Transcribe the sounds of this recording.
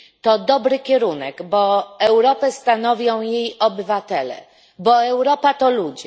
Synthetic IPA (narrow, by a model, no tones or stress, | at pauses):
t̪ɔd̪ɔbɾɘkʲɛɾunɛɡbɔɛwɾɔpɛst̪anɔvʲjɔ̃w̃jejɔbɘvat̪ɛlɛ̰ | bɔɛwɾɔpat̪ɔlud͡ʑɛ